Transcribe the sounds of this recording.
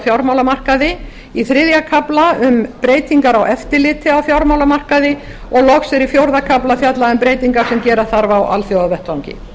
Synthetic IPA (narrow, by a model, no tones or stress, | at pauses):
θjawɾmawlamar̥kaðɪ | iθɾɪðjakʰaplaʏmpɾeːjt̪iŋkaɾawʔɛft̪ɪlɪt̪ʰɪawθjawɾmawlamar̥kaðɪ | ɔɣlɔxsɛɾifjowɾðakʰaplaθjat̪laʏmpɾeːjt̪iŋkaɾ̥sɛmcɛːɾaθaɾvawʔa̰lθjoːwðavɛht̪awŋcɪ̰